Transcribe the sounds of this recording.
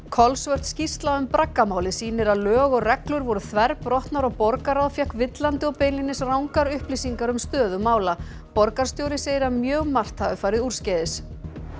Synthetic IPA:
kʰɔlsvœr̥t̪scist̪laʏmpɾakːamaːwlɪsiːnɪɾaðlœːɣɔɣrɛklʏɾvɔɾʏθvɛɾprɔht̪naɾɔɣpɔɾkaɾaðfjahkvɪt̪lant̪ɪɔpeːjnlinɪsrawŋkaɾʏhplisiŋkaɾʏmst̪œːðʏmaːwla | pɔɾkaɾ̥st̪joːwɾɪseːjɪɾamjœːɣmar̥t̪havɪfaːjɾɪður̥scɛðɪs

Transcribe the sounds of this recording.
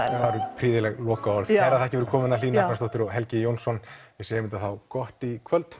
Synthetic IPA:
θaɾʏpʰɾiːðɪlɛɣlɔːkaɔɾðaɾaðθaɛhcɪvɛɾkʰɔːmɪnaliːnakanst̪ɔht̪ɪɾɔɣɦɛlcɪjownsɔnvɪðseːjɪmɪnt̪aθawkɔht̪ikʰvœlt̪

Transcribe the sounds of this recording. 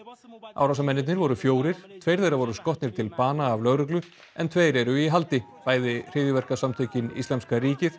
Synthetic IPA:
a̰wɾawsamɛnːɪt̪nɪɾvɔɾʏfjoːwɾɪɾ̥t̪ʰvejɾθejɾavɔɾʏskɔht̪nɪɾ̥t̪ʰɪlpaːnaːvlœɣɾʏklʏ | ɛnt̪ʰveːjɾɛɾʏiɦalt̪ɪpaːjðɪr̥ɪːðjɪvɛr̥kasamt̪ʰœɥcɪnḭsamskaɾiːcɪθ

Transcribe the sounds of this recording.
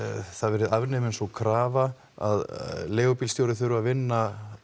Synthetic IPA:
θaðvɛːɾɪðavnɛmɪnsɔkʰɾaːva | a̰ðleːɣɔpilst̪joːwɾɪθʏɾʏaðvɪnːa

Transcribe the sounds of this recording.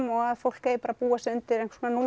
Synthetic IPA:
mɔɣaðfowl̥keːjɪpaɾapuːasʏnt̪ɪɾẽjŋ̥ksonanul

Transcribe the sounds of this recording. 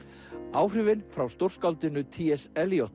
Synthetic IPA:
aːwr̥ʏvɪnfɾawst̪owr̥skalt̪ɪnʏt̪ʰiːɛsɛljoht̪

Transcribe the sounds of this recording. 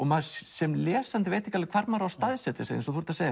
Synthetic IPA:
ɔɣmasɛmlɛːsant̪ɪveːjt̪ʰɪɛkalkʰvaɾt̪maɾawst̪aðsɛt̪ɛsːɪ̰nsɔθuɾ̥t̪aseːj

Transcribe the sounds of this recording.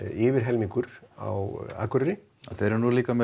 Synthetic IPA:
ɪːvɪɾ̥ɦɛlmiŋkʏɾa̰wa̰ːkʏɾɾɪ | aθejɾɛɾnuliːkamɛ

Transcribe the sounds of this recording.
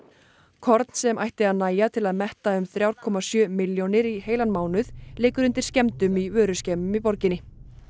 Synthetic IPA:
kʰɔɾt̪n̥sɛmʔa̰jht̪ɪaðnaːjat̪ʰɪlaðmɛht̪aʏmθɾjawɾ̥kʰɔmasjœːmɪljonɪɾiɦeːjlanmaːwnʏðlɪːkʏɾʏnt̪ɪɾ̥scɛmt̪ʏmivœːɾʏscɛːmʏmipɔɾcɪnːɪ

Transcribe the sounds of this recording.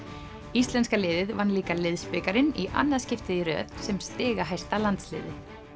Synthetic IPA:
ist̪lɛnskalɪːðɪðvanliːkalɪðspɪkaɾɪnḭʔa̰nːaðscɪft̪ɪðiɾœ̰ːt̪sɛmst̪ɪːɣaɦajst̪alant̪slɪ̰ːðɪ

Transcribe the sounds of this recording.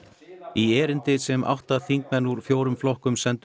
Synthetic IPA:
iɛːɾɪnt̪ɪsɛmʔa̰wht̪aθiŋk̚mɛnuɾ̥fjoːwɾʏmflɔhkʏmsɛnt̪

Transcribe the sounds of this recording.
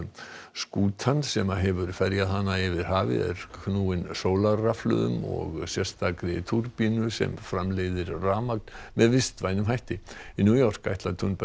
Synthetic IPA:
skuːt̪ʰansɛmaɦɛvʏɾ̥fɛɾjaðhanːaɪvɪɾ̥ɦaːvɪ̰ɛ̰ɾ̥kʰnuːɪnsoːwlaraflʏ̰ːðʏ̰mɔ̰ɣsjɛr̥st̪akɾɪ̰t̪ʰuɾpiːnʏsɛ̰mfɾamleːjðɪɾraːmaknmɛðvɪst̪vaːjnʏmɦajht̪ɪinjuːjɔr̥ka̰jht̪lat̪ʰʏnp

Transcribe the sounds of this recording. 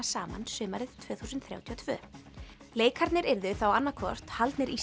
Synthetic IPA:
saːma̰nsʏːmaɾɪðt̪ʰvœːθuːsʏnt̪θɾja̰wt̪ʰiɔt̪ʰvœ̰ː | leːjkʰaɾt̪nɪɾɪɾðʏθawanːakʰvɔ̰r̥t̪halt̪nɪɾʔi

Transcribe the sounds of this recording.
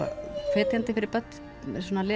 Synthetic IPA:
a̰fɛːt̪jant̪ɪfɪɾɪɾpœt̪n | mɛs̬ɔːnalɪː

